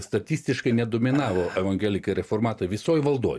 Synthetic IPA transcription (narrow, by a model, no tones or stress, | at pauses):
st̪ɐt̪ʲiːsʲt̪ʲɪʃkɐɪnʲɛd̪oːmʲɪnɑːʋoːɛʋɐŋʲɡʲɛlʲɪkɐɾʲɛfoːɾmɑːt̪ɐʋʲɪsoːjʋɐlˠd̪uːj